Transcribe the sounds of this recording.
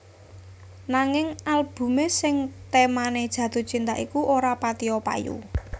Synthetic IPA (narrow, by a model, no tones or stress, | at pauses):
naŋɪŋalb̥ṳmesɪŋt̪emaned̥ʒ̥ä̤d̪̥o̤t͡ʃint̪aʔikuʔoɾapat̪iɔpa̰jṵ